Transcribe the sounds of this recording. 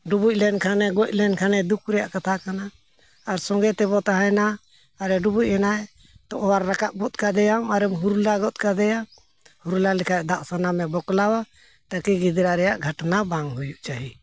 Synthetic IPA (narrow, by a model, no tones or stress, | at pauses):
ɖubuc̚lɛnkʰanɛɡɔc̚ˀlɛnkʰanɛd̪ukʰɾɛja̰ʔkat̪ʰakanaː | ɾsɔŋɡɛt̪ɛbɔt̪aɦajnaː | ɾɛɖubuc̚ˀɛnaj | t̪ɔʔɔwaɾːakaʔ̚bɔt̪̚kad̪ɛjamaɾɛmɦuɾulaɡɔt̪̚kad̪ɛja | huɾulalɛkʰaʔ̚d̪aʔsanamɛbɔklawa | t̪akiɡid̪ɾaɾɛjaʔɡʱəʈnabaŋɦujuʔt͡ʃaɦi